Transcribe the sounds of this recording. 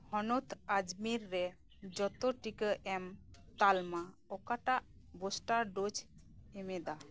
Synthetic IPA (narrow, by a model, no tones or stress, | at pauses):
hɔnut̪ʰad͡ʒmiɾːɛ | d͡ʒɔt̪ɔʈikəʔɛmt̪alma | ɔkaʈaʔ | bosʈaɖod͡ʒ | ɛmɛd̪a